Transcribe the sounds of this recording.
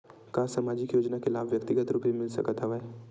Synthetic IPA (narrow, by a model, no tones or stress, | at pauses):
kaːsaːmaːd͡ʒɪkjoːd͡ʒnakelaːbʋjɐkt̪ɪɡət̪ɾuːpbimɪlsɐ̰kət̪ɦɛʋə